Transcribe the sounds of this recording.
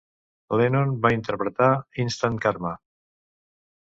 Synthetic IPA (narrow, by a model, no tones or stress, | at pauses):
lenonbaint̪əɾpɾət̪ainst̪ankaɾma